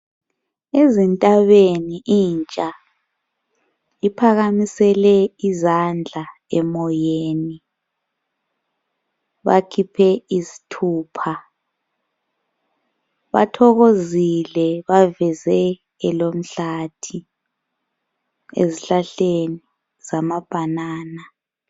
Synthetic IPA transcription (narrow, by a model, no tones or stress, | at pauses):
ezintʼaβeniʔint͡ʃʼa | ipʰaɣamisɛlɛizand͡ɮʱa | ɛmɔjeːni | βakʰipʰɛizi̥tʰuːpʰa | βa̰tʰɔɣozilɛβavɛzɛ | ɛlom̩ɬatʰi | ḛziɬaɬeni | z̥amab̥ʱanaːna